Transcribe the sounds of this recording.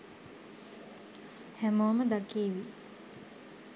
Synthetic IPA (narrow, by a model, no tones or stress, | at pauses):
hæmoːməd̪akeːʋi